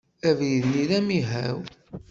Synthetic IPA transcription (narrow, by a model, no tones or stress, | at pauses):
ævjəðniðæmiɦæw